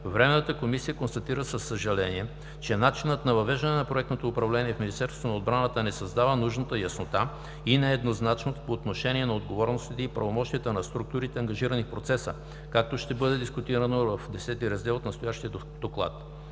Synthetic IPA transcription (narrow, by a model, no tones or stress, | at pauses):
vɾɛmɛnət̪əkomisijəkonst̪ɐt̪iɾəsəsːəʒɐlɛniɛ | t͡ʃɛnat͡ʃinət̪nɐvɐvɛʒd̪ənɛnɐpɾoɛk̚t̪not̪oʊpɾɐvlɛniɛfminist̪ɛɾst̪vonɐod̪bɾanət̪ənɛsɐzd̪avənuʒnət̪əjɐsnot̪a | inɛɛd̪noznat͡ʃnot̪o̥poːt̪noʃɛniɛnɐod̪ɡovɔɾnost̪it̪ɛipɾɐvomɔʃt̪ijət̪ənɐst̪ɾuk̚t̪uɾit̪ɛɐŋɡɐʒiɾənifpɾot̪sɛsə̰ | kak̚t̪oʃt̪ɛbɤd̪ɛd̪iskʊt̪iɾənovɐfd̪ɛsɛt̪iɾɐzd̪ɛlˠot̪nst̪ojaʃt̪iə | d̪̥oklˠa̰t̪